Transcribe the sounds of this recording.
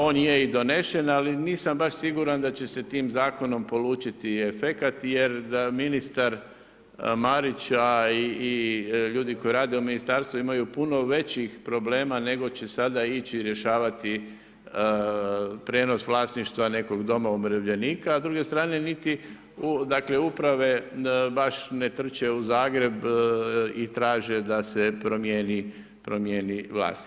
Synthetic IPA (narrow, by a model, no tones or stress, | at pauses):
o̞ːnjeid̪o̞ne̞ʃe̞naliniːsambaʃsiɡuɾand̪at͡ɕe̞se̞t̪iːmzaːko̞no̞mpo̞luːt͡ʃit̪iefekat̪je̞ɾaminist̪aɾ | maɾit͡ɕaiːʎuːd̪iko̞jiɾaːd̪e̞uminist̪aːɾst̪ʋuimajupuno̞ʋe̞t͡ɕixpɾo̞ble̞ːmane̞ɡo̞t͡ɕe̞sad̪ait͡ɕiɾje̞ʃaːʋat̪i | pɾe̞ːno̞sʋlˠaːsniʃt̪ʋane̞ko̞ɡd̪o̞maumɾeʋʎe̞niːkaːzd̪ɾuɡe̞st̪ɾaːne̞nit̪i | ud̪akle̞upɾaʋe̞baʃne̞t̪r̩t͡ʃe̞uzaːɡɾe̞b | it̪ɾaːʒed̪asepɾomjeːni | pɾomjeːniʋlˠa̰ːst̪i̥